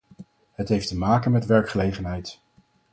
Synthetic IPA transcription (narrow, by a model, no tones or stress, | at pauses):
ɦətɦejftəmaːkənmɛtʋɛɹkχəlejχənɦɛjt